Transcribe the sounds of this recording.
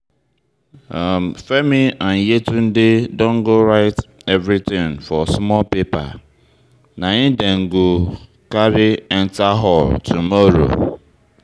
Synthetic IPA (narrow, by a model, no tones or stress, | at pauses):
amfemian̩jetun̩dɪdõŋ̩ɡoɾaɪtɛvɾitɪ̃ŋfɔsmɔlpepa̰ | naɲɪdeŋ̩ɡo | kaɾɪɛn̩taɦɔltʰumɔɾo̰